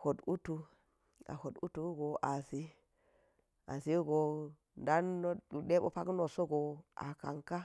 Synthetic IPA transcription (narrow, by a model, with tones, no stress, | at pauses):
ho˨du˦tu˦ | a̰˨ho˨du˦tu˦ɡo˨ʔa˨si˦ | a̰˨si˦ɡo˨ | nda˦nːo˦ɗu˨ɗe˦bo̰˦pa˦ɡno˨so˦ɡo˨a̰˨ka˨ŋka˦